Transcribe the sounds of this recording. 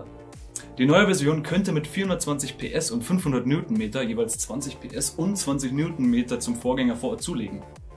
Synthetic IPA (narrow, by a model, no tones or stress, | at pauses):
d̥iːnɔʏəvɛɐzjoːnkʰœntəmɪtfiːɐhʊndɐtt͡sv̥ant͡sɪçpʰḛːʔɛsʊntfʏnfhʊndɐt̚mnuːtn̩meːtɐjeːvaɪlst͡sv̥ant͡sɪçpʰeːʔɛsʊntt͡sv̥ant͡sɪçmnuːtn̩meːtɐt͡sʊmfoːɐɡɛŋɐfoːɐtt͡suːleːɡŋ̩